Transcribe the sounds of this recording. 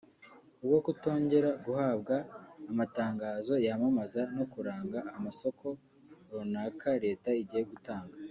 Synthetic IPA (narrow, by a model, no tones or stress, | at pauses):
ubɡo̞kuto̞ːɲɟe̞ɾaɡuhaːbɡaːmataːŋɡaːzo̞jamamazano̞kuɾaːŋɡaːmaso̞kʰo̞ | ɾonakaɾe̞ːtaiɟiːjeɡutaːŋɡa